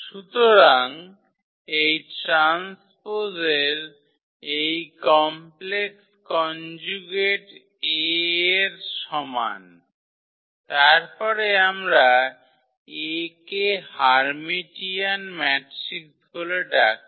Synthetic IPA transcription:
ʃut̪oɾaŋ | ejʈɾanspozeɾ | ejkɔmpleks | kɔnd͡ʑuɡeʈ | eeɾʃɔma̰n | t̪aɾpɔɾeamɾa | ekehaɾmiʈianmɛʈɾik̚d̪ʱoleɖak̚

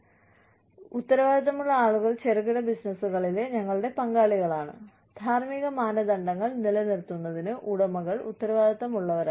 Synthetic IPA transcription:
ut̪ːɐɾɐʋaːd̪ʱɐt̪ːɐmuɭːɐaːɭuɣɐɭt͡ɕeriɣiɽɐbisnɐsuɣɐɭileɲɐŋːɐɭuɽe̞pɐŋɡaːɭiɣɐɭaːɳɨ̰ | d̪̥ʱaːrmiɣɐmaːnɐd̪ɐɳɖɐŋːɐɭnilɐnirt̪ːunːɐðinɨʔuɽɐmɐɣɐɭṵt̪ːɐɾɐʋaːd̪ʱɐt̪ːɐmuɭːɐʋɐɾa

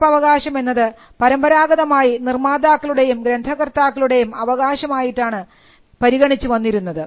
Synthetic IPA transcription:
pɐʋɐɣaːɕɐme̞nːɐðɨ | pɐɾɐmbɐɾaːɡɐðɐmaːjinirmaːd̪aːkːɐɭuɽe̞jumɡɾe̞nd̪ʱɐɣɐrt̪aːkːɐɭuɽe̞jumɐʋɐɣaːɕɐmaːjiʈːaːɳɨ | pɐɾiɣɐɳit͡ɕːuʋɐnːiɾunːɐðɨ

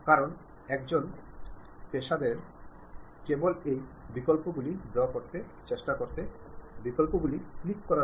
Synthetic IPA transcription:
kaɾon | ɛkd͡ʑon | t̪eʃad̪eɾ | kebolejbikolpoɡulib̪eakoɾt̪e | t͡ɕeʃʈakoɾt̪e | bikolpoɡuliklikːɔɾa

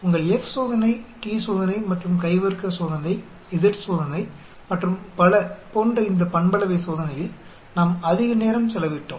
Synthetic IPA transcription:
ʊŋɡɐɭɛfsoːðɐnɐɪʈiːsoːðɐnɐɪmɐʈrɯmkɐɪʋɐɾkɐsoːðɐnɐɪ | ɪðɪʈsoːðɐnɐɪ | mɐʈrɯmpɐlɐpoːndrɐɪnd̪ɐpɐɳbɐlɐʋɐɪsoːðɐnɐjɪl | naːmɐðɪɣɐneːɾɐmsɛlɐʋɪʈːõ̰ː

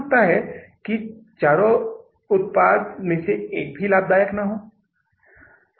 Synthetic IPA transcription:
k̚t̪aɦɛkit͡ʃaːɾo | ʊt̪̚paːd̪mẽseeːk̚bʱilaːb̚d̪aːjəknaɦoː

